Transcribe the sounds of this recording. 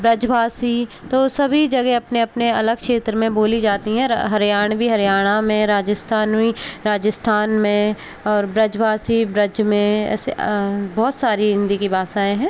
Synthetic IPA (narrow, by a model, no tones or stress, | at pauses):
bɾɐd͡ʒʋaːsi | t̪oːsɐbʱid͡ʒɐɡeɐpneɐpneɐləɡ̚kʃeːt̪ɾəmẽboːlid͡ʒaːt̪iɦɛ̃ɦɐɾijaːɽ̃bʱiɦɐɾjaːɽ̃amẽɾaːd͡ʒəst̪ʰaːniɾaːd͡ʒəst̪ʰaːnmẽ | ɔːɾbɾɐd͡ʒʋaːsibɾɐd͡ʒmẽɛ̰ːsebɔːt̪saːɾiɦɪ̃nd̪ikibaːsaːẽɦɛ̃ː